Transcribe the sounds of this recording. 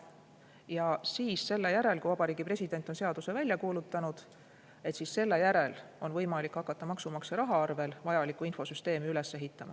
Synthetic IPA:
jɑsiːsse̞lːe̞jæɾe̞lkuvɑb̥ɑɾiːɡ̥ipre̞sʲid̪̥e̞nt̪ːˑonse̞ɑd̪̥use̞vælʲjɑkuːlut̪ːˑɑnud̪̥ | e̞t̪sisse̞lːe̞jæɾe̞lo̞nvɤjmɑlikhɑkːˑɑt̪ːɑmɑksumɑkseɾɑɦɑɑrve̞lvɑjɑlikːˑuinfo̞syst̪e̞ːmiyle̞sːeɦit̪ːˑɑmɑ̰

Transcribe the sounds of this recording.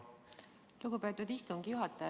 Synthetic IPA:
luɡ̥upe̞ːt̪ːˑud̪ist̪uŋɡijuɦɑt̪ːˑɑ

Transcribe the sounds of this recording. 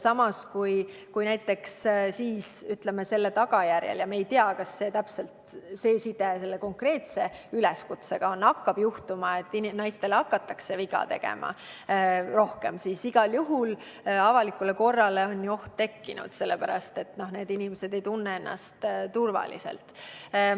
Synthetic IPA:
sɑmɑskuj | kujnæjt̪ˑːe̞kssiːsyt̪lemese̞lːet̪ɑɡ̥ɑjærjḛljɑmeːjt̪eɑkɑsːe̞t̪æpse̞lt̪se̞ːsid̪ese̞lːe̞ko̞ŋkre̞ːt̪se̞ylɛskut̪seɡ̥ɑonːɑkːɑb̥juht̪umɑe̞t̪ːˑinnɑjst̪e̞leɑkːɑt̪ːˑɑkse̞viɡɑ̰t̪eɡ̥ḛmʔɑ̰ | ro̞hke̞msisiɡ̥ɑljuɦul | ɑvɑlikːˑule̞ko̞rːɑle̞o̞nʲjuo̞ht̪ːe̞kːḭnṵd̪̥se̞lːepæɾɑ̰st̪e̞t̪no̞hne̞ːd̪inimese̞d̪e̞jt̪unːee̞nːɑ̰st̪t̪urvɑ̰lḭse̞̰lt̪

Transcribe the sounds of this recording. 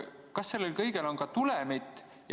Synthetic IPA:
kɑsːe̞lːelkɤjɡe̞lo̞nkɑt̪ulemit̪ːˑ | j

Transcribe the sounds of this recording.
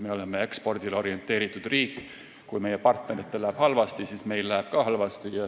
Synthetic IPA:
me̞o̞lemːee̞kspo̞rd̪̥ilo̞ɾije̞nt̪ːˑe̞ːɾit̪ːˑud̪̥riːkːˑ | kujme̞jepɑrt̪ne̞ɾit̪ːelæːb̥hɑlvɑst̪isiːsme̞jllææb̥kɑhɑlvɑst̪ijɑ

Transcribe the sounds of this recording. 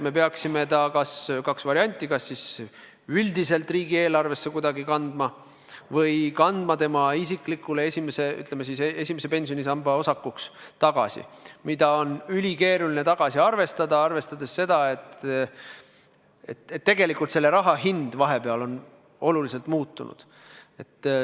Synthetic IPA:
me̞p̬e̞ɑksime̞t̪ɑkɑskɑksvɑɾiɑnʲt̪ʲːˑikɑsːis | yld̪ise̞lt̪ːˑriːɡie̞ːlɑrve̞sːe̞kud̪ɑɡikɑnd̪mɑ | vɤjkɑnd̪̥mɑt̪e̞mɑisikˑlikːˑule̞e̞sʲimese̞y̰t̪lemesisee̞simesepe̞nʲsijo̞nisɑmbɑo̞sɑkːˑukst̪ɑɡ̥ɑ̰sḭmid̪̥ɑo̞nylʲike̞ːɾulinet̪ɑɡ̥ɑsiɑrve̞st̪ɑd̪ɑɑrve̞st̪ɑd̪̥e̞sːe̞d̪̥ɑe̞t̪ː | ḛt̪et̪ːe̞ɡ̥e̞likult̪se̞lːe̞ɾɑɦɑɦind̪̥vɑɦe̞peɑlo̞n | o̞lulise̞lt̪muːt̪ːunṵd̪̥ | e̞t̪ː

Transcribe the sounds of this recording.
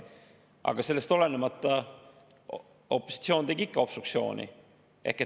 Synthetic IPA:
ʔɑ̰ɡ̥ɑse̞lːe̞st̪o̞le̞nemɑt̪ːˑɑ | o̞pːˑo̥si̥t̪sio̞ːnt̪e̞ɡ̥iikːˑɑo̞psuk̚tsio̞̰ːnḭ | ʔe̞̰hke

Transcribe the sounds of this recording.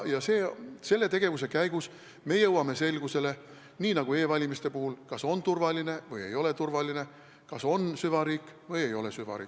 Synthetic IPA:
jɑse̞ːse̞lːe̞t̪e̞ɡ̥e̞vuse̞kæjɡ̥us | me̞jɤwɑme̞se̞lɡ̥use̞le̞ | niːnɑɡ̥ue̞ːvɑlʲimist̪e̞puhulkɑso̞nt̪urvɑline̞vɤje̞̰jo̞le̞t̪urvɑline̞ | kɑso̞nsyvɑɾiːkːˑvɤje̞jo̞le̞syvɑ̰ɾḭː

